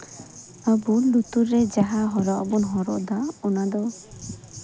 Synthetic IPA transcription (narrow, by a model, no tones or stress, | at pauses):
abulut̪uɾːed͡ʒaɦaɦɔɾɔʔbɔnɦɔɾɔ̰ʔd̪aɔnad̪ɔ